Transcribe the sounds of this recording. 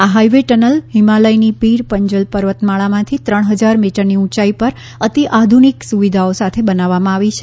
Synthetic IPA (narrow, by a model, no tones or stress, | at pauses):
aɦaiʋeʈənəlɦimaləinipiɾpəɲd͡ʒəlpəɾʋət̪maɭamãt̪ʰit̪ɾəɳ̃ɦəd͡ʒaɾmiʈəɾniũt͡ʃaipəɾ | ət̪iʔad̪ʱuniksuʋid̪ʱaosat̪ʰebənaʋːamãaʋit͡ʃʰe